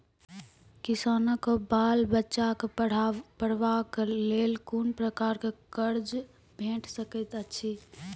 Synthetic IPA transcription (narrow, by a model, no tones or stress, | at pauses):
kisanəkːɔbalbətːʃakeɽpəɽ̤ʋakelelkunpɾəkaɾkekəɾd͡ʒ | bʱẽʈsəkət̪ət͡ʃʰi